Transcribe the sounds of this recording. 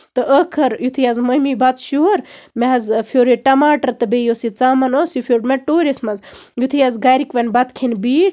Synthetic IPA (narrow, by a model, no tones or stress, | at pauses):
t̪ɨʔəkʰɐɾjut̪ʰijazməmibɐt̪ʃoɾmeɐzfʰoːɾiʈɐmaːʈɐɾt̪ɐbejosit͡saːmɐnoːsjifʰʲjoːɾmeʈoːɾʲismɐzjut̪ʰijazɡaːɾikʋɐnbɐt̪kʰenbiːʈ